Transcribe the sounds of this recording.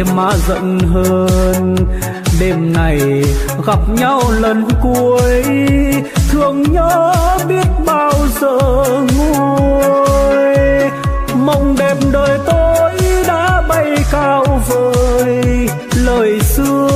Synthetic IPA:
ma̰ː˧˥zə̰˧˨nɦəː˧n | ɗe˨˩mna˨˩j | ɣa˨˩p̚ɲa˧wlə˨˩nku˧˩˧əjj | t̪ʰɨ˨˩əŋɲəː˧˥˧ɓi˦˥ət̚ɓaː˧wzəː˧˨ŋu˧ | j | ma˨˧˩wŋ͡mɗe˨˩mɗəː˨˩jt̪o˧jɗa̰ː˧˥ɓa˧˩jkaː˧wvəː˨˧˨j | ləː˨˩jsɨ˧

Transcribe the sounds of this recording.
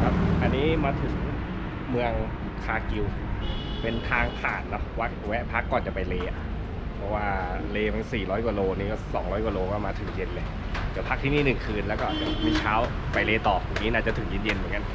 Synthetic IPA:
kʰa˦˥˩p̚ʔa˧nːiː˦˥maː˧t̪ʰɯ˨˧˩ŋ˥˩ | mɯ˧əŋ | kʰaː˧ki˧w | pe˧nt̪ʰaː˦˥ŋp̪ʰaː˨˩nːɔ˦˥wa˦˥˩k̚wɛ˦ʔpʰa˦˥kːɔː˨˩nt͡ɕa˨˩pa˧jleː˧a˩ | pʰɔ˦˥waː˧˩leː˧ma˨˦siː˨˩lɔː˦˥jkɔː˧loː˧niː˧˩kɔː˥˩sɔː˩˦ŋlɔː˦˥jkwɔː˧loː˧kɔː˥˩maː˧t̪ʰɯ˨˩˦ŋje˧nle˧ | d̪i˨˩˦ɐpʰa˦˥k̚t̪ʰiː˥˧˩niː˥˩nɯ˨˩kʰɯː˧nlɛː˦˥kɔː˥˩ʔa˨˩t͡ɕa˨˩miː˧t͡ɕʰaː˦˥w | pa˧jleː˧t̪ɔː˨˩p̚ʰːuː˨˩ŋniː˦˥naː˥˩t͡ɕa˨˩t̪ʰɯ˨˩˦ji˧˩nje˧nmɯ˨˦ŋka˧

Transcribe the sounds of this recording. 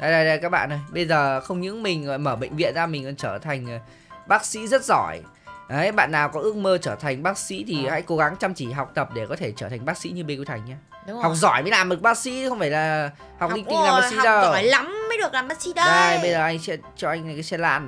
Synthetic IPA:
ɗa˧˩ɗa˧jɗə˧kaː˦˥k̚ɓa̰ː˧nʔə˨˧˩jɓə˧jzəː˨˩xə˧wŋ͡mɲɨ̰˧˥ŋmï˨˩ŋ̟˨˧˨jməː˧˩ɓə̰˧˨jŋ̟vḭ˧˨ənzaː˧mi˨˩ŋɔ˨˩t͡ɕəː˧˩t̪ʰa˨˩jŋ̟˨ | ɓaː˦˥k̚sḭ˧˥zə˦˥t̚zɔ˧˩j | ʔə˨˦jɓa̰ː˧˨nːaː˨˩wkɔ˨˦ʔɨ˦˥ək̚məː˧t͡ɕəː˧˩t̪ʰa˨˩jŋ̟ɓaː˦˥k̚sḭ˧˥t̪ʰi˨˩ha̰ː˧˥jko˨˦ɣa˨˦ŋt͡ɕa˧mt͡ɕi˧˩ɦa˨˩wk͡p̚t̪ə˨˩p̚ɗe˧˩kɔ˨˦t̪ʰe˧˩t͡ɕəː˧˩t̪ʰa˨˩jŋ̟ɓaː˦˥k̚sḭ˧˥ɲɨ˧ɓe˧ku˧˦t̪ʰa˨˩jŋ̟ɲaː˧ | ha˨˩wk͡p̚zɔ˧˩jma̰ː˨˧˥jlaː˨˩mɗɨ˨˩ək̚ɓaː˦˥k̚sḭ˧˥xə˧wŋ͡mfaː˧˩jlaː˨˩ | ha˨˩w̚kli˧ŋt̪i˧ŋlaː˨˩˨ɓaː˦sḭ˧˥˦ɗə˧waː˧˨˩la˨˦mːə˨˦jɗɨ˨˩əkla˨˩mɓaː˦˥k̚sḭ˧˥ɗə˧ə˧jɓə˧jzəː˨˩ʔa˧jŋ̟sɛ̰˧˥ | t͡ɕɔ˧ʔa˧jŋ̟na˨˩jka˨˦jsɛ˧la̰ː˧˨n

